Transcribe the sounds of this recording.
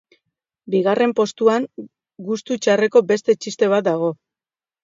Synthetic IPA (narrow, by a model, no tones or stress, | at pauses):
biɣ̞are̞mpo̞st̪uaŋ | ɡust̪ut͡ʃare̞ko̞be̞st̪e̞t͡ʃist̪e̞β̞at̪̚d̪aɣ̞o̞